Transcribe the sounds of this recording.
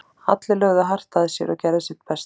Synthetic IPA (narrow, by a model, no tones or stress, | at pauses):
at̪lɪlœɣðaɦar̥t̪aðɪsjɛ̰ɾɔ̰cɛɾðɪsɛt̪pɛst̪